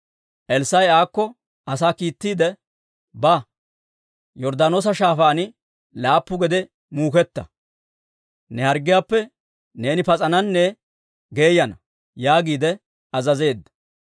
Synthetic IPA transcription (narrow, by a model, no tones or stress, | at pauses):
ʔɛlsɐjaːkːɔ | ɐsaːkiːt̪ːiːd̪ɛ | bɐ | jɔɾd̪aːno̞ːs̬ɐʃaːfaːnɪ | laːpːʊɡɛd̪ɛ | muːkɛt̪ːɐ̰ | nɛhɐɾɡɪjaːpːɛ | ne̞ːnɪpɐt͡sʼɐnɐnːɛ | ɡeːjɐnɐ | jaːɡiːd̪ɛ | ɐzɐze̞ːd̪ːɐ̥